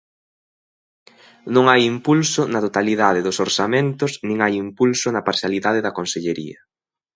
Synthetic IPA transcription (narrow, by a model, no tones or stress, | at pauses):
nõŋajimpulsʊnɐt̪ot̪aliðaðɪðʊsoɾsamẽnt̪ʊsnĩŋajimpulsʊnɐpaɾsjaliðað̞ɪðɐkonseʎeɾiɐ